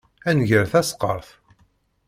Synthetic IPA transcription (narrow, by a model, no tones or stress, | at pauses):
ænʝəɾθæsqəɾˤθ